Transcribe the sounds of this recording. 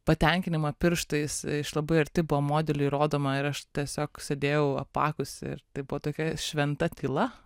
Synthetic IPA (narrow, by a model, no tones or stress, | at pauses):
pɐt̪ʲɛŋʲkʲɪnʲɪmɐpʲɪɾʃt̪ɐɪsɪʃlˠɐbɐɪɐɾʲt̪ʲɪbʊʋɐmoːd̪ʲɛlʲuiɾoːd̪oːmɐɪɾɐʃt̪ʲiɛsʲoːksʲed̪ʲeːjɛʊɐ̰pɑ̰ːkʊsɪ̰ɾt̪ɐɪbʊʋɔt̪oːkʲɛʃʲʋʲɛnt̪ɐt̪ʲilˠɐ